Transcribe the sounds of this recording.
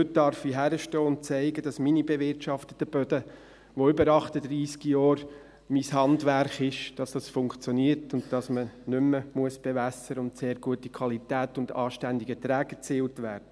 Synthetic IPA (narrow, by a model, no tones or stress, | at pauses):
hʏt̚d̥ɑɾfiɦæɾəʃtɔːʊnt̚t͡sɛɪɡədɑsminibevɪɾtʃɑftətːəb̥œdə | ʋoʏbəɾɑχtədɾiːskijɔːɾ | mishɑndʋærχɪʃd̥ɑsd̥ɑsfʊŋkt͡sjɔniːəɾtʊntd̥ɑsmənʏmːəmuəsb̥evæsəɾəʊntseːɾɡuətikʰwɑlitæːtʊndɑːʃtændiɡətɾæːɡət͡siːltʋæːɾdə